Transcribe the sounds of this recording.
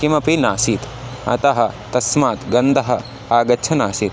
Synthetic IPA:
kimɐpinaːsiːt̪ | ɐ̰t̪ɐɦɐt̪ɐsmaːt̪ɡɐnd̪ɐɦɐ | aːɡɐtːt͡ʃʰɐnaːʃiːt̪

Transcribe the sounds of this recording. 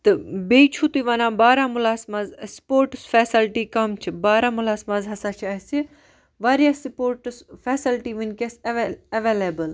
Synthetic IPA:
t̪ɨbeːit͡ʃʰut̪uʋanãːbaːɾaːmʊlaːsmazspoːɾʈsfɛːsɐlʈiːkɐmt͡ʃʰibaːɾaːmʊlaːsmaːzɦɐsaːt͡ʃʰiɐsi | ʋaːɾijaspoːɾʈsfeːsilʈiːʋɨnkesɐʋeːleːbəl

